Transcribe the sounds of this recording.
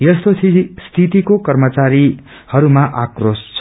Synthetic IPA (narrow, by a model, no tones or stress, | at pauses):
jʌst̪ot͡sʰist̪ʰit̪ikokʌrmʌt͡saɾi | hʌɾumaʔakrost͡sʰ